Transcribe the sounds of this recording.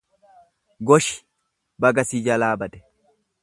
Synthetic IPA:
ɡɔʃɪ̥ | bɐɡɐsiːd͡ʒɐlaːbɐd̪ɛ̥

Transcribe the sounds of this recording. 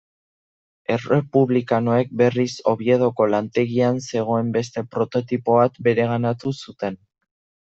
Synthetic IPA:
e̞re̞puβlikano̞e̞k̚be̞riso̞βje̞ð̞o̞ko̞lant̪e̞ɣianse̞ɣ̞o̞e̞mbe̞st̪e̞pɾo̞t̪o̞t̪ipo̞βat̪be̞ɾe̞ɣ̞anat̪usut̪e̞n

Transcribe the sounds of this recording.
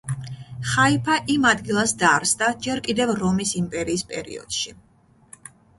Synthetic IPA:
χaipʰaʔimad̪ɡilˠasd̪aɾsd̪ad͡ʒɛɾkʼid̪ɛvɾɔmisimpʼɛɾiːspʼɛɾḭɔ̰d̪̥ʃi

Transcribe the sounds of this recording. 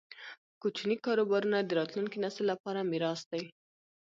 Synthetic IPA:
kot͡ʃnikɑɾobɑɾunad̪əɾɑt̪luŋkinasəlːapɑɾamiɾɑsd̪aj

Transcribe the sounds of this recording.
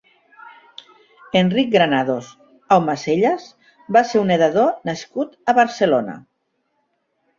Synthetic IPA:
enrik̚ɡɾanaðos | awmaseʎaz | baseuneðaðonaskut̪aβaɾselona̰

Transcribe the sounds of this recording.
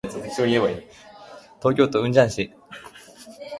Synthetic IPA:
t͡st̪ekʲi̥t͡ɕoːɲʲieβai | t̪o̞ːkʲo̞ːt̪oɯ̟̃ɲ̟d͡ʑãɰ̃ɕi

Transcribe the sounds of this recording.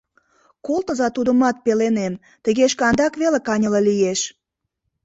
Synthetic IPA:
kolˠt̪əzɑt̪ud̪əmɑt̪̚pelenem | t̪ə̆ɣeʃkɑnd̪ɑkβelekɑnʲələlijeʃ

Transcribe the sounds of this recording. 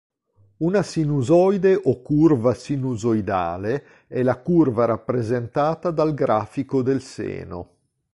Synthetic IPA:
unasinuzɔjd̪eʔɔkurvasinuzojd̪a̰ːle | ɛlakurvaɾapːɾezent̪aːt̪ad̪alɡɾaːfikod̪elsḛːno̰

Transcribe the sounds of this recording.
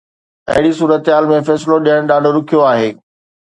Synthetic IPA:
ɐ̰ɦɪɽisuːɾət̪ɦaːlmẽfɛːsloɗijəɽ̃ɗaːɖʱoɾʊkʰijoaːɦeː

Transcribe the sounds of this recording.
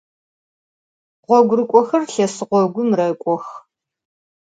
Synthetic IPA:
ʁʷɔɡʷʊrɨkʷʼɔxɐrɬɐsɨqʷɔɡʷʊmrɐkʷʼɔx

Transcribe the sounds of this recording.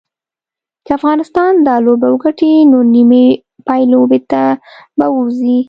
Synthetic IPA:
kəafɣɑnɪst̪ɑnd̪ɑlobawəɡaʈinonime | pɑjlowbeɾt̪abawuɾzi

